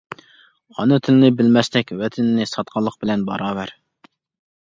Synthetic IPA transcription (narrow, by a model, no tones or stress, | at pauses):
hɑnɨt̪ʰɪlɪnɪbɪlmɛst̪ɛkʲwɛt̪ʰɪnnɪsɑt̪̚qʰɑlˠːəq̚bɪlɛnbɑ̰ɾɑːvæɾ